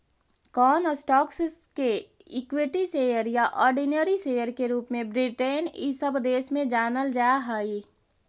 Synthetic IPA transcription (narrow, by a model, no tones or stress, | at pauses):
kɔːnsʈɔːksskeɪkwiʈiseːjəɾjaʔɔːɾɖinəɾiseːjəɾkeɾuːpmẽbɾiʈeːnisəbd̪eːʃmẽd͡ʒaːnəld͡ʒaːɦaːiː